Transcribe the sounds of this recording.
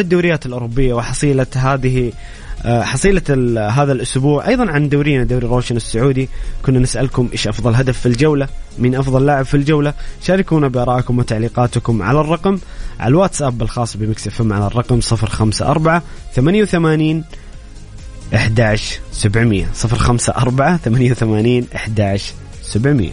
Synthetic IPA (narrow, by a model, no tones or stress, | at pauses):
lad̪ːawɾɪjːaːt̪ɪlʔʊːɾʊbːɪjːawɪħɑsˤiːlaɦaːðɪh | ħɑsˤiːlaɦaːðalʔʊsbuːʕʔɑjðˤɑnʕand̪awːɾɪːnad̪awːɾiɾoːʃanɪsːʊʕuːd̪ikʊnːanɪsʔa̰lkʊmʔeːʃʔɑfðˤɑlɦad̪afːild͡ʒawlamɪnʔɑfðˤɑllːaʕɪbfild͡ʒawlaʃaːɾɪkuːnabɪʔɑɾˤɑːʔkʊmwɪt̪aʕliːqɑːt̪kʊmʕa̰larˤːɑqm | ʕa̰lwaːt̪sʔaːbɪlxɑːsˤːbɪmɪksafamʕalarˤːɑqmsˤɨfɾxamsa̰ʔɑ̰ɾˤbaʕaθamanjawθamaːniːn | ʔɪħd̪aːʕɪʃsabʕmɪjːa̰sˤɨfɾxamsa̰ʔɑɾˤbaʕaθamanjawθamaːniːnʔɪħd̪aːʕɪʃ | sabʕmɪ̰jːa̰